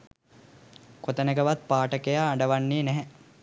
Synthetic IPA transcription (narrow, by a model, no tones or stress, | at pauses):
kot̪ənəɡəʋat̪̚paːʈəkejaːɳɖəʋanːiːnɛɦɛ